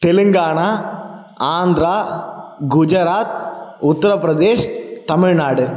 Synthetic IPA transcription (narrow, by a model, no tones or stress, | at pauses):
t̪eliŋɡaːɳaː | aːnd̪ɾaːɡud͡ʒɐɾaːt̪̚ʊt̪ːɐɾɐpɾɐd̪eːʃt̪ɐmɪɻnaːɽɐɾ